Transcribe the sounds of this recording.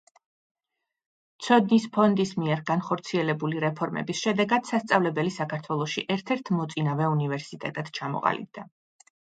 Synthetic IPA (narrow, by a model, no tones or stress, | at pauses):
t̪sʰɔd̪nispʰɔnd̪ismiɛɾɡanχɔɾt̪sʰiɛlɛbuliɾɛpʰɔɾmɛ̰bisʃɛd̪ɛɡad̪̥sast̪sʼavlɛbɛlisakʰaɾt̪ʰwɛlˠɔʃiʔɛɾt̪ʰɛɾt̪ʰmɔt̪sʼinavɛunivɛɾsit̪ʼɛ̰t̪ʼɛd̪̥t͡ʃʰamɔ̰qʼa̰lḭb̚d̪a